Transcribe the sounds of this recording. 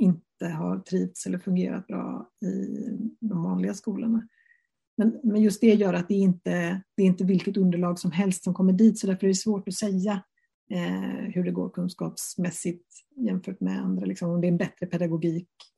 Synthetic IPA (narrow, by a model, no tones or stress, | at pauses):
ɪnt̪əɦa̰ɾʈ̪ʰɾiːvt̪sɛlːəɾfɵŋɡḛːɾa̰t̪̚bɾɑ̰ːɪ̰d̪ɔmvɑ̰ːnlɪɡaskuːlə̰ɳa | mɛnmɛnjɵst̪̚d̪ɛjœːɾat̪̚d̪ɛːɾɪnt̪əd̪̥ɛɾɪnt̪əvɪlkət̪ɵnd̪əɭɑːɡsɔmɦɛlst̪sɔmkʰɔmːəɖiːt̪sɔd̪æɾfœɾæɖɛsvoːʈɔsɛjːa | hɵɖɛɡo̰ːɾkʰɵnskɑːpsmɛsːɪt̪jɛmfœːʈmɛ̰a̰nd̪ɾalɪksɔmɔmd̪ɛɾɛnbɛt̪ɾəpʰɛd̪aɡʊɡiːk